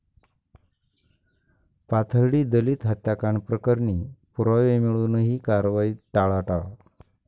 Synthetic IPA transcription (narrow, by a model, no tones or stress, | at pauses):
pat̪ʰəɾɽiːd̪əliːt̪ɦət̪ːjakaɳpɾəkəɾɳiːpuɾʋaʋemiɭunəɦiːkaɾʋaiːʈaɭaʈa